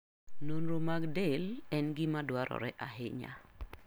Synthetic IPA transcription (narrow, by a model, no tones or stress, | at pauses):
nonɾomaɡdelɛnɡɪmadwaɾʔɔ̰ɾɛʔahɪɲa̰